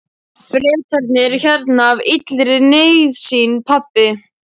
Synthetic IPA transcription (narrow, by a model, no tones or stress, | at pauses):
fɾɛːt̪ʰaɾt̪nɪɾçɛɾt̪navit̪lɾɪneːjðsiːnpʰapːɪ